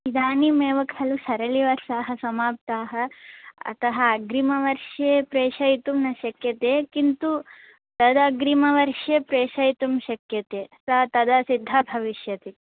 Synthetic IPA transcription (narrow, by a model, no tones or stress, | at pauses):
id̪aːnimeːʋɐkʰɐlusɐɾɐliʋɐɾsaːɦɐsɐmaːp̚t̪aːɦɐɐ̰t̪ɐɦɐːɡɾimɐʋɐɾʂjepɾeːʂɐjt̪umnɐʃɐkjɐt̪eːkint̪u | t̪ɐd̪ɐɡɾimɐʋɐɾʃepɾeːʃɐjt̪umʃɐkjɐt̪eːsɐɦɐt̪ɐd̪ɐsid̪ʱːɐbʱɐʋiʃjɐt̪i